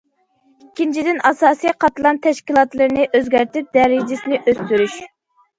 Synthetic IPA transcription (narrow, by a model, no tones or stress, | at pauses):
ikʲːint͡ʃʰid̪ɪnɑsɑːsijqʰɑt̪lˠɑnt̪ʰɛʃkʲilˠɑt̪lˠɨɾnɪʔøzɡʲæɾt̪ɪp̚d̪ɛɾɪd͡ʒɪsɪnɪʔøst̪yɾyʃ